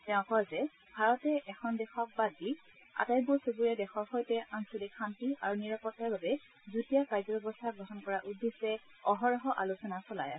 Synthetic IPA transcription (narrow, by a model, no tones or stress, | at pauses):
tɛ̃ʊ̃kɔzɛ | bʱaɹɔtɛʔɛxʰɔndɛxɔk̚baɡi | a̰tajbusuɡuɹɛdɛxɔɹxojtɛʔansudikʰantiaɹuniɹapɔtaɹbabɛ | zutijakajzɔbʱebɔstʰaɡɹɔɦɔnkɔɹaʔudʱːisɛ | ɔɦɔɹɔɦɔʔalusɔnasɔla̰ja̰